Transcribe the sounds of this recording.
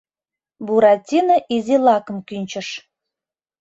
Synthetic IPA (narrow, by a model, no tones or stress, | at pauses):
buɾɑtʲinəʔizʲilɑkə̆mkynʲt͡ɕə̆ʃ